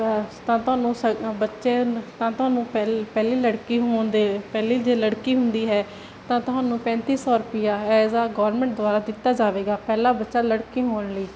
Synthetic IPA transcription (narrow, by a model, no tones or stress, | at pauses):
t̪ãːt̪ʊɦaːnũːsəbətːʃeːt̪ãːt̪ʊɦaːnũːpɛːliːləɽkiːɦoːnd̪eːpɛːliːd͡ʒeːləɽkiːɦʊnd̪iːɦɛː | t̪ãːt̪ʊɦaːnũːpɛ̃ːnt̪iːsɔːɾʊpɪjaːɛzaːɡɔːɾmɛ̃ɳʈ̚d̪ʊaːɾaːd̪ɪt̪ːaːd͡ʒaːʋeːɡaːpɛːlaːbətːʃaːləɽkiːɦoːənləiː